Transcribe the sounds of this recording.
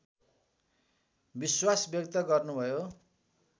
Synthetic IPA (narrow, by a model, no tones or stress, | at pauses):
biswasbjʌkt̪ʌɡʌrnubʱʌjo